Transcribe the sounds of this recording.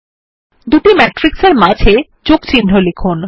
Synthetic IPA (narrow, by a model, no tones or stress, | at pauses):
d̪uʈimɛʈɾikseɾmad͡ʑʱe | t͡ɕokt͡ɕiɳɖʱʰolekʰun